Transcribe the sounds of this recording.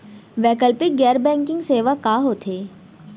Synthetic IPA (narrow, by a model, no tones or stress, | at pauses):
ʋɛːkəlpɪɡɛːɾbɛ̃ːŋkɪ̃ŋɡseːʋakaːɦoːt̪ʰeː